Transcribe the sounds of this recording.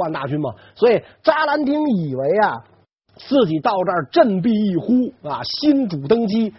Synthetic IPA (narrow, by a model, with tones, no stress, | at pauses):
wa˥˧nt̪a̰˥˩t͡ɕy˥nmɐ̰˨˩ | swɔ˧˥i˨˩ | ʈ͡ʂa˥la˧˥nt̪i˥ŋi˨˩we˧˥ɪɐ˧ | t͡sɹ̩˥˩t͡ɕi˨˩t̪ɑ˥˧ʊʈ͡ʂə˞˥˧ʈ͡ʂə˥˧npi˥˧i˥˩xu˥ɐ˧ɕi˥nʈ͡ʂu˨˩t̪ɤ˥ŋt͡ɕi˥